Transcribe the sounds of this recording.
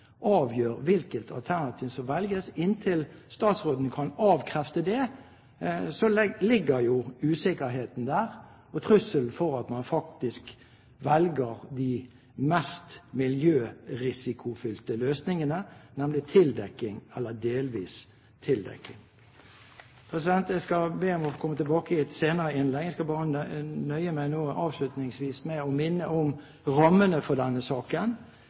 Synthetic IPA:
ʔɑːʋjøːɾʋɪlkət̪ʰɑ̰lt̪ʰæʁnɑt̪ʰɪːʋsɔmʋɛlɡəsɪnt̪ʰɪlst̪ɑːt̪sʁoːd̪n̩kʰɑnɑːʋkʰʁɛft̪əd̪ɛ | sɔlɪɡːəɾjʊʉːsɪkəɦeːt̪n̩d̪æːʁ | ɔt̪ʰʁʉsːəlfɔʁɑt̪mɑnfɑkt̪ɪsk | ʋɛlɡəʁd̪i | mɛst̪mɪljøːɾɪsɪkʰʊfʏlt̪əløːsnɪŋənənɛmlɪt̪ʰɪld̪ɛkːɪŋɛlːəd̪eːlʋiːs | t̪ʰɪld̪ɛ̰kːɪŋ | pʰʁɛsɪd̪ɛnt̪jæɪskɑbeːɔmɔkʰɔmːət̪ɛlbɑːkəɪɛt̪seːnəɾəɪnlɛɡæɪskɑlbɑːɾənœʏəmæɪnoːɑːʋʂlʉt̪nɪŋsʋiːsmɛɔmɪnːəʔɔm | ʁɑmːənəfɔd̪ɛnːəsɑːkən

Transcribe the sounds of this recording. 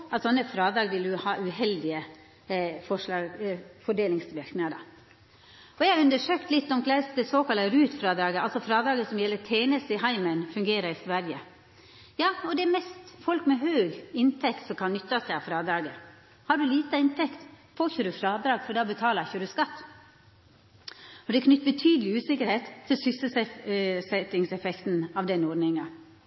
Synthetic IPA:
ɑt̪sɔnːəfɾɑːd̪ɾɑːɡʋɪld̪ʉhɑːʔʉhɛld̪ɪə | fɔʂlɑːɡfɔɖeːlɪŋst̪ʋɪɾknɪŋəd̪ɑ̰ː | ɔjæɑɾʉnd̪əʂøːkt̪lɪt̪ːɔmkʰlæɪsd̪ɛsoːkɑləɾʉːt̪fɾɑːd̪ɾɑːɡəɑlsɔfɾɑːd̪ɾɑːɡəsɔmjɛlːət̪ʰeːnəsɪɦɑɪmənfʉŋɡeːɾəɾɪsʋæɾjə | jɑːɔd̪ɛɛmɛst̪fɔlkmɛɦøːɡɪnt̪ʰɛkt̪sɔmkʰɑnnʏt̪ːɑst̪ɛɑfɾɑːd̪ɾɑːɡə | hɑɖʉliːt̪əɪnt̪ʰɛkt̪foːçəɖʉfɾɑːd̪ɾɑːɡfɔd̪ɑːbət̪ʰɑːləçəɾʉskɑt̪ː | ɔd̪ɛkʰnʏt̪ːbət̪ʰyːd̪əlɪʉːsɪkəɾheːt̪ʰːɪlsʏsəsɛsɛt̪ːɪŋsɛfɛkt̪n̩ɑʋd̪ɛnɔːɖnɪŋɑ

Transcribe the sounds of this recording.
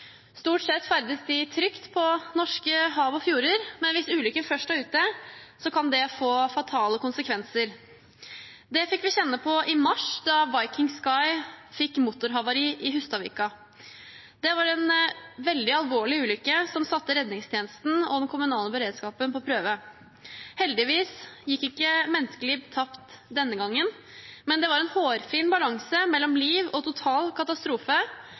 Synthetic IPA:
st̪uːʈsɛt̪ːfæɾd̪əsd̪ɪt̪ʰɾʏkt̪pʰɔnɔʂkəɦɑːʋɔfjuːɾəɾmɛnʋɪsʉːlʏkːəfœʂʈɑʉːt̪əsɔkʰɑnd̪ɛfoːfɑt̪ʰɑːləkʊnsəkʰʋɛnsəɾ | d̪ɛfɪkːʋɪçɛnːəpʰɔʔɪmɑʂd̪ɑʋɑɪkɪŋskɑɪfɪkːmuːt̪ʊɾɦɑʋɑɾiːʔɪɦʉst̪ɑʋḭːkɑ | d̪ɛʋɑɾɛnʋɛld̪ɪɑlʋoːɭɪʉːlʏkːəsɔmsɑt̪ːəɾɛd̪nɪŋst̪ʰjeːnəst̪n̩ɔ̰d̪ɛnkʰʊmʉnɑːləbəɾeːd̪skɑːpənpʰɔpʰɾøːʋə | hɛld̪ɪʋiːsjɪkːɪkːəmɛnskəlɪt̪ʰɑpt̪d̪ɛnːəɡɑŋːən | mɛnd̪ɛʋɑɾɛnhoːɾfiːnbɑlɑŋsəmɛlːɔmliːʋɔt̪ʰʊt̪ʰɑːlkʰɑt̪ɑst̪ɾuːfə

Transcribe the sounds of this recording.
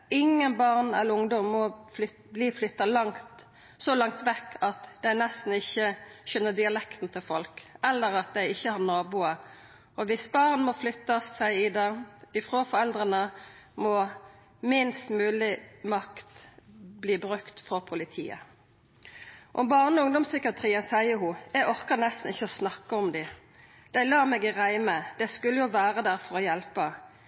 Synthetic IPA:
ɪŋːənbɑʁnɛ̰lːəʊŋd̪ɔmːɔ | bliːflʏt̪ːɑlɑŋt̪ | solɑŋt̪ʋɛkːɑt̪d̪æɪnɛst̪n̩ɪçːəʃœnːəd̪ɪɑlɛkt̪n̩t̪ʰɪlfɔlkɛlːəɾɑt̪̚d̪æɪɪçːəhɑʁnɑːbuːə | ɔʋɪsbɑːʁnmɔflʏt̪ːɑssæɪɪd̪ɑɪfɾoːfɔɾɛld̪ʁənəmɔ | mɪnst̪mʉːlɪmɑkt̪bliːbʁʉkt̪fɔpʰʊlɪt̪ʰḭːə̰ | ʔɔmbɑːʁnəɔʊŋd̪ɔmsʏkəɑt̪ʰʁiːənsæɪəhuːjɛɡɔʁkənɛst̪n̩ɪçːəɔsnɑkːəɔmd̪ɪ | d̪̥æɪlɑːmɛːɡʁæɪməd̪̥ɛskʉlːəjʊʋæːʁəd̪æʁfɔɾɔjɛlpə

